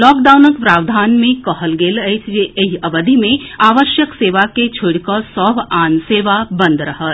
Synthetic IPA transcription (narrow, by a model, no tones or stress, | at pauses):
lɔːk̚ɖaːwnəkpɾaːʋd̪ʱaːnmẽkɐɦəlɡeːləɪt͡ʃʰd͡ʒeʔəɦɐʋəd̪ʱimẽaːʋəʃjəkseːʋaket͡ʃʰʊɽkəsɔːbaːnseːʋabɐ̃nd̪ɾɐɦət̪